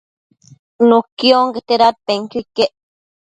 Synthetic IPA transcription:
nukjoŋɡet̪eɾat̪̚peŋkikeʔ

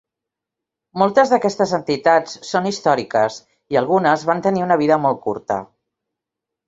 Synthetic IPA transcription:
molˠt̪əzðəkɛst̪əzənt̪it̪at͡ssːonist̪ɔɾikəs | iəlˠɣunəzβant̪əniunəβ̞iðəmɔlˠt̪̚kṵɾt̪ə̰

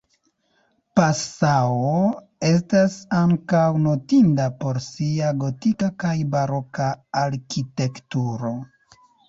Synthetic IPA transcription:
pasawo | e̞s̬tasaŋkawno̞tindapo̞ɾsiaɡo̞tikakajbaɾo̞kaaɾkite̞ktuɾo̞

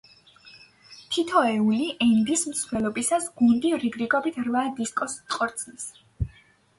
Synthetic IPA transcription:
t̪ʰit̪ʰɔɛuliʔɛnd̪ismt̪sʰlɛlˠɔbisasɡund̪iɾiɡɾikʼɔbit̪ʰɾvad̪iskʼɔsqʼɔɾt̪sʰnis

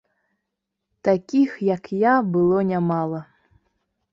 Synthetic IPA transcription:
t̪akʲixjakjabɨlˠɔnʲamalˠɐ

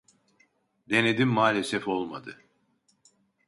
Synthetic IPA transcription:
d̪e̞ned̪imːaːlʲesɛfo̞lˠmad̪ɯ

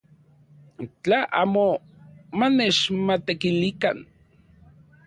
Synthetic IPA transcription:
t͡ɬaʔa̰ːmo | manet͡ʃmat̪ekilika̰n

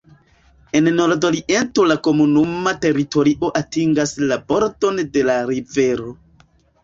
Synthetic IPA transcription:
e̞nno̞ɾdoliʔentolako̞munumate̞ɾito̞ɾiʔo̞ʔatiŋɡaslabo̞ɾdo̞nde̞laɾive̞ɾo̞

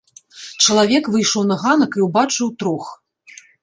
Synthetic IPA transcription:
t͡ʂɐlˠavʲɛkvɨjʂɔwnɐɣanɐkiwbat͡ʂɨwt̪ɾux

